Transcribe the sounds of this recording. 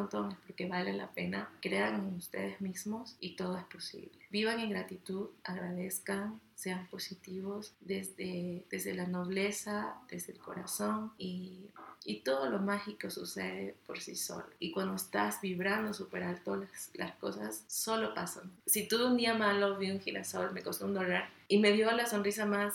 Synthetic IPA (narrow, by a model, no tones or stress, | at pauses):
ont̪oŋespo̞ɾke̞βalela̰pe̞nakɾe̞aŋenust̪e̞ðezmizmo̞sit̪o̞ð̞o̞e̞spo̞sḭβle̥biβaŋe̞ŋɡɾat̪it̪uðaɣɾað̞e̞skaŋ | se̞ampo̞sit̪iβ̞o̞zðezðed̪ezðe̞lano̞β̞le̞sad̪e̞zðe̞lko̞̰ɾaso̞ŋiː | t̪o̞ðolo̞maxiko̞suse̞̰ðepo̞ɾsḭso̞̰loikwand̪o̞est̪azbiβɾand̪osupe̞ɾalt̪olasla̰sko̞sasːo̞lo̞pasansit̪uund̪iamalo̞βiuŋxila̰so̞lme̞kost̪ound̪olaɾ | ime̞ðjo̞alaso̞nris̬amas